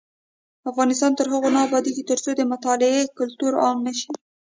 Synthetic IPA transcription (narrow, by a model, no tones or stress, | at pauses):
afɣɑnɪst̪ɑnt̪əɾɦəɣonɑːbɑd̪iɡit̪əɾt͡sod̪əmʊt̪ɑlɪekʊlt̪uɾɑŋnəʃi